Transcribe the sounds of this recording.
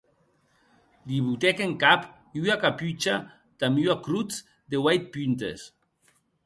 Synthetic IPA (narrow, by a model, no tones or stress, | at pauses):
d̪iβut̪ɛkeŋkap | yakapyt͡ʃa | t̪amyakɾut͡s | d̪ewajt̪̚pynt̪ḛs